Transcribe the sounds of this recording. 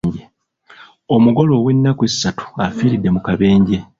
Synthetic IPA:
ɲɟe | o̞muɡo̞lo̞ːwe̞nːakwesːatu̥afiːɾidːe̞mukaβe̞ːɲɟe̞

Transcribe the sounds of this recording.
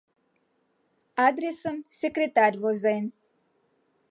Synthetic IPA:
ad̪ɾesəmsekɾet̪aɾʲvozajn

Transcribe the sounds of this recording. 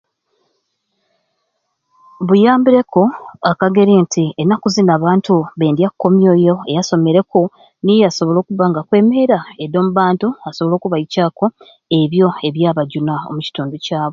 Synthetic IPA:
βujaːmbiɾe̞ko̞akaɡe̞ɾiːntʰienːakuzinaːβaːntuβe̞ːndjakːo̞mjo̞ːjo̞e̞jaso̞me̞ɾe̞ko | nijaso̞βo̞lo̞ːkuβaŋɡakwe̞ːme̞ːɾaedo̞ːmuβaːntuaso̞βo̞lo̞ːkuβaicaːko̞ | e̞βjo̞e̞βjaːβaɟunao̰muci̥tuːnducaːβo̞

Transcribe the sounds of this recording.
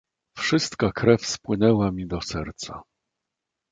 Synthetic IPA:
fʂɘst̪kakɾɛfspwɘnɛwamʲid̪ɔsɛɾt̪sa̰

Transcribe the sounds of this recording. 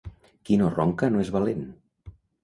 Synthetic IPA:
kinorɔ̰ŋkanoezβalen

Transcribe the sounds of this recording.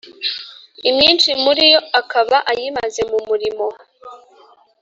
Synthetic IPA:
imɲiːnt͡ʃimuɾijoakaβaʔajimaze̞mumuɾimo̞

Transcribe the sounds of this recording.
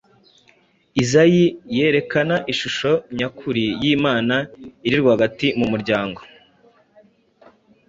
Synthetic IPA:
izajije̞ːɾe̞kanaʔiʃuʃo̞ɲakʰuɾijiːmaːnaiɾiɾɡwahaɡatimumuɾɟaːŋɡo̞

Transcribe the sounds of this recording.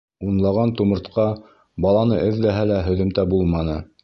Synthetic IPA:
unlˠɑʁɑnt̪umɤ̆ɾt̪qɑ | bɑlˠɑnɤʔɘðːæɦælæɦɵ̆ðɵ̆mt̪æbulˠmɑnɤ

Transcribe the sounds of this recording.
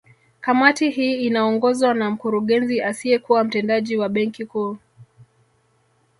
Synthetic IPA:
kamatiɦiːnaɔŋɡɔzwanam̩kuɾuɠɛnziʔasiɛkuwam̩tɛndaʄiwaɓɛŋkikuː

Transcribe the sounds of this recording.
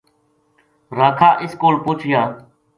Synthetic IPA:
ɾəːkʰaːʔɪskoːlpʊt͡ʃʰjãː

